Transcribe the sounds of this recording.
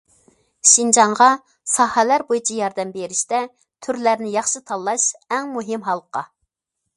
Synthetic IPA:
ʃind͡ʒɑŋʁɑ | sɑhɛlæɾbojit͡ʃʰɑjɑɾd̪ɛmbeɾɪʃt̪ɛ | t̪ʰyɾlæɾnɪjɑχʃɨt̪ʰɑlˠːɑʃɛŋmuɦɪmɦɑlˠqɑ̰

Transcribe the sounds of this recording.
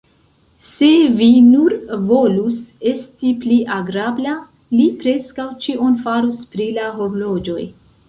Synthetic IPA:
se̞vinuɾvo̞luse̞stipliʔaɡɾabla | lipɾe̞skawt͡ʃiʔo̞nfaɾuspɾilaɦoɾlo̞d͡ʒo̞j

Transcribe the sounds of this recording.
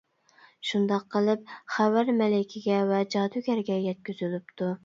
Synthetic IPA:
ʃund̪ɑqʰːəlˠɨp̚χæwæɾmɛlɪkʲʰɪɡʲɛvɛd͡ʒɑːd̪ukʲæɾɡʲɛjɛt̪̚kʲyzylyp̚t̪ʰu

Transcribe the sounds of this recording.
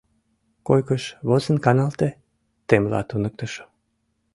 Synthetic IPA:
kojkəʃβozə̆nkɑnɑlt̪e | t̪emlɑ̰t̪unək̚t̪əʃo̥

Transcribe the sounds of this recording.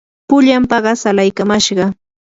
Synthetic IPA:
pʊʎampɑɢɑsalajkamaʃɢɑ

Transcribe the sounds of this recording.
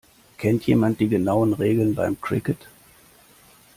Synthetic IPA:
kʰɛntjḛːmant̚d̥iːɡənaʊənʁeːɡl̩nba̰ɪmkʁ̥ɪ̰kət

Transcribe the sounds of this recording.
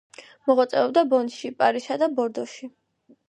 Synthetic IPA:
mɔʁwat̪sʼɛɔbd̪abɔnʃipʼaɾiʃad̪abɔɾd̪ɔʃi

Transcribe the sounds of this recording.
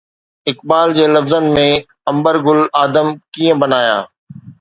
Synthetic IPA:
ɪkbaːld͡ʑeːlɐfzənmẽ | ɐ̃mbəɾɡʊlaːd̪əmkiːə̃bɐnaːja̰ː

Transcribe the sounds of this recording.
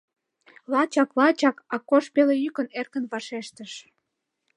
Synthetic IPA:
lɑt͡ɕɑklɑt͡ɕɑkɑkoʃpelejykənerkənβɑʃeʃt̪əʃ

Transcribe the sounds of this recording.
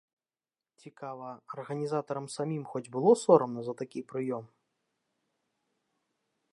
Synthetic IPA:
t͡sʲikavɐɐrɣɐnʲizat̪ɐɾɐmsamʲimxɔd͡zʲbɨlˠɔsɔɾɐmnɐzɐt̪akʲipɾɨjɔm

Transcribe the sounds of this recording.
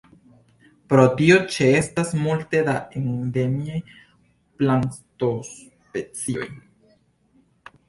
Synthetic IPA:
pɾo̞tio̞t͡ʃe̞e̞stasmulte̞daʔeŋd̪emiaj | plant̪os | pe̞t͡sio̞̰j

